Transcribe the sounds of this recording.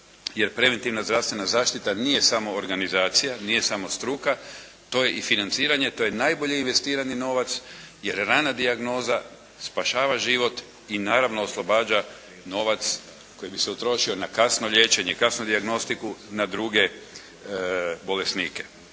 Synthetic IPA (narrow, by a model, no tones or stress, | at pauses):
je̞ɾpɾe̞ʋe̞nt̪iʋnazd̪ɾaʋst̪ʋe̞nazaːʃt̪it̪aniːje̞samo̞ːɾɡanizaːt̪sijanije̞samo̞st̪ɾuka | t̪o̞je̞ʔifinant̪siːɾaɲe̞t̪o̞je̞najbo̞ʎeinʋe̞st̪iːɾanino̞ʋat̪sje̞ɾɾaːnad̪iaɡno̞ːza | spaʃaːʋaʒiʋo̞t̪ | inaːɾaʋno̞ːslˠo̞baːd͡ʒa | no̞ʋat̪s | ko̞jibiseut̪ɾo̞ʃio̞nakasno̞ʎʲe̞ːt͡ʃe̞ɲekasnod̪iaɡno̞st̪ikunad̪ɾuɡe̞ | bo̞le̞sniːke̞̥